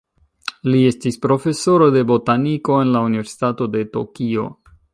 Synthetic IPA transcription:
lie̞stispɾo̞fe̞so̞ɾo̞de̞bo̞taniko̞e̞nlaunive̞ɾsi̥tato̞de̞to̞̰kio̞

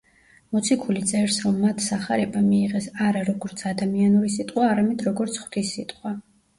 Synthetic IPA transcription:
mɔt̪sʰikʰulit̪sʼɛɾsɾɔmːat̪ʰsaχaɾɛbamiːʁɛsaɾaɾɔɡɔɾt̪sʰad̪amianuɾisit̪ʼqʼwaːɾamɛd̪ɾɔɡɔɾt̪sʰχwd̪ʰisːit̪ʼqʼwa

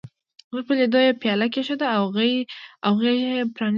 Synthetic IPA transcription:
məpeled̪ojepjɑlak̬eʃad̪aːwɣawɣejepɾɑn

